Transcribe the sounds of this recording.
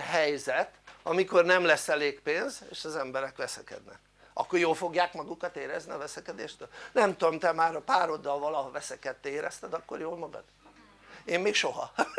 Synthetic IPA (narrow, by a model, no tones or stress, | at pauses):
ɦɛjzɛt̪ɒmiko̞rnɛmlɛsːɛleːkpeːnzeːʃɒzɛmbɛɾɛkʋɛsɛkɛ̰d̪nɛ̰k | ɒ̰kːorjoːlfo̞ɡjaːkmɒɡukɒt̪eːɾɛzniɒvɛsɛkɛd̪eːʃt̪øːlnɛmt̪omt̪ɛmaːɾɒpaːɾo̞d̪ːɒlvɒlɒɦovɛsɛkɛt̪ːeːɾɛst̪ɛd̪ɒkːo̞̰rjoːlmɒɡɒ̰d̪̥ | eːmːeːkʃo̞ɦɒ̰